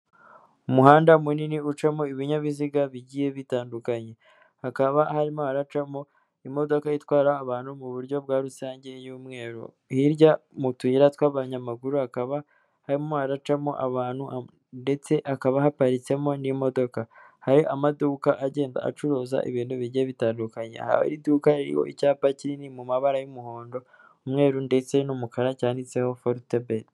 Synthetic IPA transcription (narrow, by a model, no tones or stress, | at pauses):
umuɦaːndamuniniut͡ʃamoiβiɲaβiziɡaβiɟije̞βitaːndukaɲe̞ | hakaβahaɾimohaɾat͡ʃamo̞ | imo̞do̞kajitwaːɾaːβaːnhumuβuɾɟo̞bɡwaːɾusaːɲɟe̞juːmŋe̞ːɾṵ | hiɾɟamutuiɾatwaβaɲamaɡuɾuhakaβa | haɾimoaɾat͡ʃamoʔaβaːn̥hu | nde̞t͡se̞ʔakaβahapaɾit͡se̞mo̞nimo̞do̞kahaɾiʔamaduːkaʔaɟe̞ːnda̰a̰t͡ʃuɾoːza̰ʔḭβiːnduβiɾɟe̞βitaːndukaɲḛha̰wḛɾiduːkaɾiɾḭho̰ʔicaːpaciɾinimumaβaɾajumuho̞ːndo̞ | umŋe̞ːɾunde̞t͡se̞numukaɾacaːndit͡se̞ho̞foɾtebed